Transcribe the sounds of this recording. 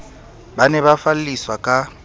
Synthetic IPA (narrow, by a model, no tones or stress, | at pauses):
banɛβafal̩liswakʼa